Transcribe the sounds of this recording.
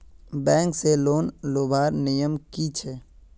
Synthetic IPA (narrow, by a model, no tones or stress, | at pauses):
bɛ̃ːŋkseloːnloːbʱaːɾnɪjəmkit͡ʃʰɛː